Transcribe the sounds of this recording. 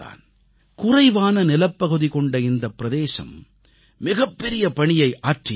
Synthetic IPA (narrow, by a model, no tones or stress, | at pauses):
a̰ːn | kʊrɐɪʋaːnɐnɪlɐpːɐɣɯðikɔɳɖɐɪnd̪ɐpːɪɾɐðeːʂɐ̰m | mɪɣɐpːɛɾɪjɐpɐɳɪjɐɪʔaːʈrɪ